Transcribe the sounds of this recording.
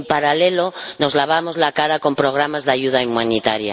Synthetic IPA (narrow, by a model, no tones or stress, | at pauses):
mpaɾalelo̞no̞zlaβ̞amo̞zlakaɾako̞mpɾo̞ɣ̞ɾamazðaʝuð̞aimanit̪aɾja̰